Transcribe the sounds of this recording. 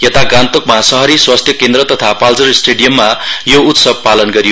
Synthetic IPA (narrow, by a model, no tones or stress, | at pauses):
jet̪aɡãnt̪okmasʌɦʌɾiswast̪ʰjʌkend̪ɾʌt̪ʌt̪ʰapalt͡sʌrsʈeɽijʌmːajout̪sʌb̚palʌnɡʌɾio